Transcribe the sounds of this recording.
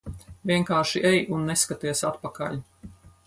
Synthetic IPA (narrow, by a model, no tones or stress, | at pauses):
vʲiɛŋkaːɾʃiʔɛjʔunːɛskat̪iɛsat̪̚pakaʎʲ